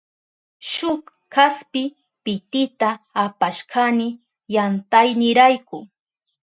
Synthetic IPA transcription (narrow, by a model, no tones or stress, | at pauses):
ʃʊk | kaspɪ | pɪt̪ɪt̪aːpaʃkʰanɪ | jant̪ajnɪɾajkʊ